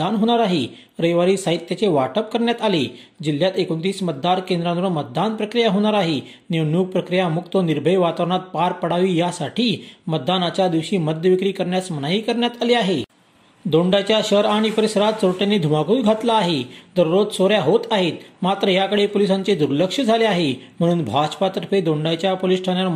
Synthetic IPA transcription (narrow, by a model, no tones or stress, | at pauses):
anɦoɽ̃aɾaɦe | ɾəjʋaɾiːsaɦit̪ːjat͡seʋaʈəp̚kəɾɳjat̪aled͡ʑil̤ːjat̪ekont̪̬iːsmət̪̚d̪aɾkend̪ɾãnʋəmət̪̚d̪anpɾəkɾijaɦoɽ̃aɾaɦe | newnjuːɡ̚pɾəkɾijamukt̪əniɾbʱəjʋat̪aʋɳ̃at̪̚paɾpəɽ̤aʋiːjasaʈʰiːmət̪̚d̪anat͡ɕjad̪iʋɕiːməd̪ʱjəʋikɾiːkəɾɳjasmənaiːkəɾɳjat̪aleaɦe | d̪oɳɖat͡ɕjaɕəɾaɽ̃ipəɾisəɾat̪soɾʈanːeːd̪ʱumakuːt̪ɡʱat̪laːɦed̪əɾɾod̪soɾjaɦot̪aɦet̪mat̪ɾəjakəɽepolisaɲt͡sed̪uɾləkʂəd͡zʱaleaɦem̤əɽ̃ũːnbʱat͡ɕpat̪əɾpʰed̪oɳɖajt͡ɕjapoliːsʈʰanjal